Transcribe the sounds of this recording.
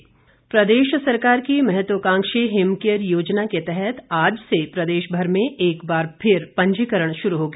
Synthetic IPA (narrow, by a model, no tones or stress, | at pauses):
pɾɐd̪eːʃsɐɾkaːɾkimɛɦɛt̪wəkãːŋkʃeɦɪmkijəɾjoːd͡ʒnaket̪ɛɦɛt̪ʰaːd͡ʒsepɾɐd̪eːʃbʱɐɾmẽʔeːkbaːɾpʰɪɾpɐ̃ɲd͡ʒikəɾəɽ̃ʃʊɾuɦoːɡeː